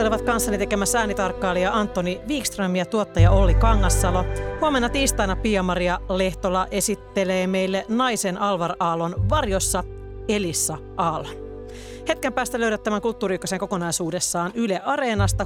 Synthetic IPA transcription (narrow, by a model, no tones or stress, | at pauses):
eliʋɑt̪̚kɑnsːɑnit̪e̞kemæsːææːnit̪ɑrkːɑːlːejɑʔɑnt̪ːo̞niʋiːkst̪rømːiɑt̪uot̪ːɑjɑo̞lːikɑŋːɑsːɑlohuome̞nːɑt̪iːst̪ɑjnɑpiɑmɑɾiɑle̞ht̪olːɑʔe̞sit̪ːe̞leːme̞jlːenɑjse̞nʔɑlʋɑrɑːlonʋɑrjo̞sːɑ | e̞lisːɑʔɑːlon | he̞t̪̚kempæːst̪æløɥɾet̪ːæmæŋkult̪ːuːɾikːøseŋko̞ko̞nɑjsuːde̞sːɑːnyleʔɑɾe̞nɑst̪ɑ